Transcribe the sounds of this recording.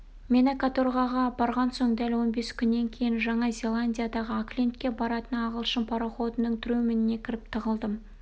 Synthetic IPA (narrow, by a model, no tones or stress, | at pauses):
me̞nakat̪orʁɑʁɑbɑɾʁɑnso̞ɴd̪ælwo̞nbe̞skʲʰʏnːe̞ŋkʲʰe̞jɪnʒɑɴɑzʲe̞lˠanʲdʲijad̪ɑʁəaklʲent̪̚kʲːe̞bɑɾɑt̪ənɑʁəlˠʃəmpʰɑɾoχo̞t̪ənəɴt̪ʰɾumɪnɪne̞kʲʰɪɾɪp̚t̪ʰəʁəlˠd̪əm